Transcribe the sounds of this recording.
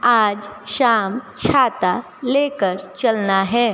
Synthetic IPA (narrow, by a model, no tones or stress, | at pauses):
aːd͡ʒʃaːmt͡ʃʰaːt̪a | leːkəɾt͡ʃɐlnaɦɛː